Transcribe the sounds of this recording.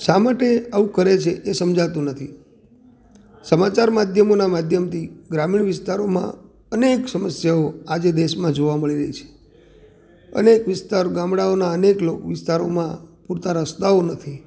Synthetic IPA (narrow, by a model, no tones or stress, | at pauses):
ʃamaʈeaũkəɾet͡ʃʰeʔesəmd͡ʒat̪ũnət̪ʰi | səmat͡ʃaɾmad̪ʱjəmonamad̪ʱjəmt̪ʰiɡɾamiɳʋɪst̪aɾomã̰ | əneksəməsjaoad͡ʒed̪eʃmãd͡ʒoʋaməɭiɾəɦit͡ʃʰe̥ | ə̰nekʋɪst̪aɾoɡãmɽaonaəneklokʋɪst̪aɾomãpuɾt̪aɾəst̪aonət̪ʰi